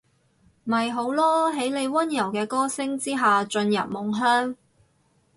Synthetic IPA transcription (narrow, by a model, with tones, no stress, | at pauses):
mɐ˨˩jɦo˨˥wlɔː˥ɦe˨˥jle˨˧jwɐ˥njɐ˨˩wkɛː˧kɔː˥sɪ˥ŋt͡siː˥ɦaː˨t͡ʃɵ˧njɐ̰˨p̚mʊ˨˩ŋɦœː˥ŋ